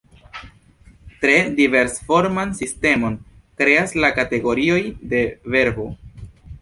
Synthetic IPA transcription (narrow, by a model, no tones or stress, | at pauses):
tɾe̞dive̞ɾsfo̞ɾmansiste̞mo̞n | kɾe̞aslakate̞ɡo̞ɾio̞jde̞ve̞ɾbo̞